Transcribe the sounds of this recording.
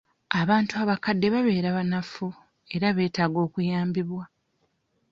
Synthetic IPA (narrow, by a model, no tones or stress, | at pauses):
aβaːntuaβakadːe̞βaβe̞ːɾaβanafu | e̞ɾaβe̞ːtaːɡo̞ːkujaːmbiβwa